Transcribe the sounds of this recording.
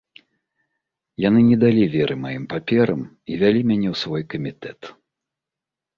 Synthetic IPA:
janɨnʲɛd̪alʲivʲɛɾʔɨmajimpapʲɛɾɐ̰m | ivʲalʲimʲanʲɛwsvɔjkɐmʲit̪ɛt̪

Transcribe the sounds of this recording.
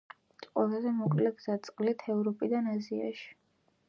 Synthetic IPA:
t̪ʼqʼwalazɛmɔkʼlɛɡzat̪sʼqʼlit̪ʰɛvɾɔpʼid̪anazia̰ʃi̥

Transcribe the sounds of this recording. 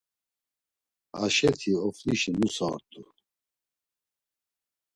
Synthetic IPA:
aʃɛt̪ʰiɔfliʃinusa̰ɾt̪ʰʼu

